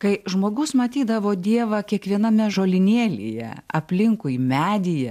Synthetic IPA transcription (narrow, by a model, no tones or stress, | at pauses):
kɐɪʒmoːɡʊsmɐt̪ʲiːd̪ɐʋoːd̪ʲiɛʋɐkʲiɛkʋʲiɛnɐmʲɛʒoːlʲɪnʲeːlʲḛːjɛ̰ɐpʲlʲɪŋkʊɪmʲæːd̪ʲɪjɛ